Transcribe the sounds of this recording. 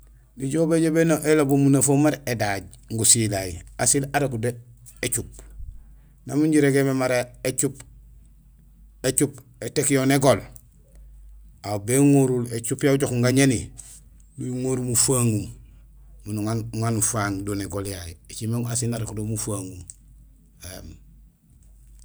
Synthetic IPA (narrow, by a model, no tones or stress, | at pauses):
niɟobeɟobenoʔelabumunafomaɾedaɟ | ŋɡusilajḭasilaɾekude | et͡ʃup̚ | namuɲɟiɾeɡememaɾaet͡ʃup | et͡ʃup | etekjoneɡol | awbeŋoɾulet͡ʃupjauɟokŋɡaɲeni | nuuŋoɾmufaŋum | munuŋaŋanufaːŋdoneɡoljajiet͡ʃimeŋasilaɾekudomufaŋum | em